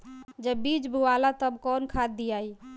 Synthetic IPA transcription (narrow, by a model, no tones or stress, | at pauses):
d͡ʒəbid͡ʒbʱuwalat̪əbkɔnkʰad̪iai